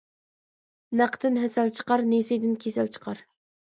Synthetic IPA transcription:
næqʰt̪ɪnɦɛsælt͡ʃʰə̥qɑɾnesed̪ɪnkʲʰesælt͡ʃʰə̥qʰɑɾ

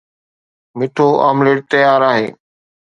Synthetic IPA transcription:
mɪʈʰoːʔa̰ːmleːʈ̚t̪əjaːɾaːɦḛː

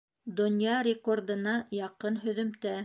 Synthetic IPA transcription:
d̪ŏnjɑɾʲɪkord̪ɤ̆nɑjɑqɤnɦɵ̆ðɵ̆mt̪æ

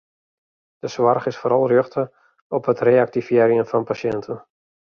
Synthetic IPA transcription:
d̥əsʋarχɪsfoːɾɑlˠrjøxtə | ɔpɦətreːak̚tifjeɾjənfɔnpasjɛntʰən

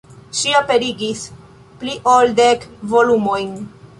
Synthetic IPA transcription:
ʃiape̞ɾiɡis | pliʔoldekvo̞lumojn

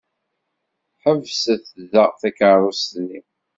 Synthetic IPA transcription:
ħəvsəθðəʁθækəɾˤoslːim

